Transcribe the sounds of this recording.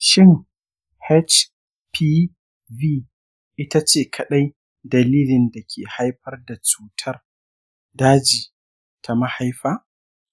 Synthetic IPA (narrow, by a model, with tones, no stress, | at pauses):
ʃɪ˦ŋ | hɛ˦t͡ʃ | pʰiː˦ | viː˦ | ʔɪ˦ta˦t͡ʃeː˦˨kʰɐ˨ɗa˦j | dɐ˨liː˦lɪ˨nda˨kʲʰeː˨ha˦jɸɐ˦rda˨t͡ʃuː˦tʰɐ˦r | daː˦d͡ʒiː˨ | tʰa˨ma˦ha˦jɸaː˦